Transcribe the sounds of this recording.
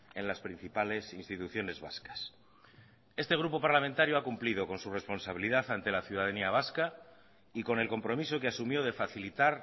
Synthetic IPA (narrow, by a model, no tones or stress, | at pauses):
e̞nlaspɾin̟θipale̞sinst̪it̪uθjo̞ne̞zβa̰skḁs | e̞st̪e̞ɣ̞ɾupo̞paɾlamẽnt̪aɾjoakumplið̞o̞ko̞nsure̞spo̞nsaβ̞iliðaθant̪e̞laθjuðaðaniaβ̞aska | iko̞ne̞lko̞mpɾo̞mis̬o̞keasumjoðe̞faθilit̪aɾ